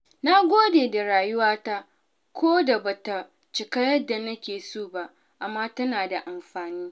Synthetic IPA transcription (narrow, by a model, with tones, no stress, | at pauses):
na˦ɡʷoː˦deː˨da˨ɾaː˨jʊ˦waː˦ta˦ | kʷoː˦da˨ba˨ta˨ | t͡ʃɪ˨kɐ˦jɐ˦da˨nɐ˦kʲeː˨soː˦˨ba˦ʔ | ʔa˨mːaː˦tɐ˦naː˨da˨ʔa˨mɸaː˨niː˦